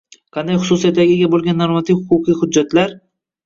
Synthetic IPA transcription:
qʰɑnd̪ajχʊ̥sʊsijat̪ːaɡʲɪɡʲabolˠɡʲanːoɾmat̪ʰifhʊqʊqijhʊd͡ʒːat̪laɾ

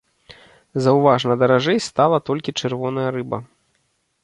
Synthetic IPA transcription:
zɐwvaʐnɐd̪ɐɾaʐɛjst̪alˠɐt̪ɔlʲkʲit͡ʂɨrvɔnɐjɐɾɨbɐ̰

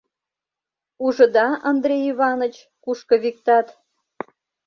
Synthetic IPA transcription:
uʒə̆d̪ɑʔɑnd̪ɾʲejiβɑnə̆t͡ɕ | kuʃkɤ̆βik̚t̪ɑt̪

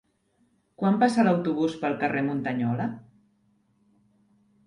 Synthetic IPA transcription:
kwampasələwt̪uβ̞uspəlˠkəremunt̪əɲɔlə

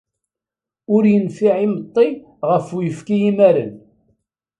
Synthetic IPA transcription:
ʊɾjənfiʕimət̪ˤːi | ʁəfujəfkijimæɾə̰n

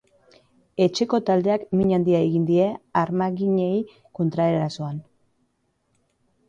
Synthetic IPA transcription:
e̞t͡ʃe̞ko̞t̪ald̪e̞akmiɲand̪iaeɣind̪ie̞aɾmaɣiɲe̞j | ko̞nt̪ɾaeɾɾaso̞an

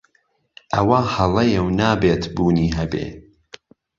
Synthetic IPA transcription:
ʔɐwahɐlˠɐjɛwnaːbeːt̪buːniːɦɐbḛː

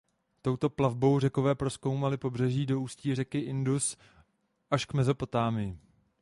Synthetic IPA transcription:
t̪o̞wt̪o̞plavbo̞wr̝ɛko̞vɛːpɾo̞sko̞wmalɪpo̞brɛʒiːdo̞uːsciːr̝ɛkɪʔɪndus | ʔaʃkmɛzo̞po̞t̪aːmɪjɪ

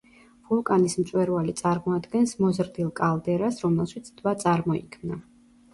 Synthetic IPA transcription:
vulˠkʼanismt̪sʼwɛɾvalit̪sʼaɾmɔad̪ɡɛnsmɔzɾd̪ilˠkʼalˠd̪ɛɾasɾɔmɛlˠʃit̪sʰd̪̥vat̪sʼaɾmɔikʰmna

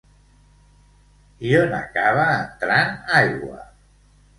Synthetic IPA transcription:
iona̰kaβaːnt̪ɾanajɣwa̰

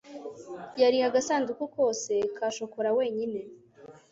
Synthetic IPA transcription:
jaɾihaɡasaːndukoko̞ːse̞kaːʃo̞koɾawe̞ːɲine̞

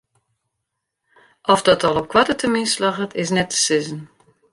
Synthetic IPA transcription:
ʔɔfdɔtʰɔlˠɔp̚kʰwatətʰəminslaɣətɪs̬nɛtʰə̥sɪzən

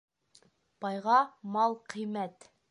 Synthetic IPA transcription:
b̥ɑjʁɑmɑlˠqʰĭjmæt̪

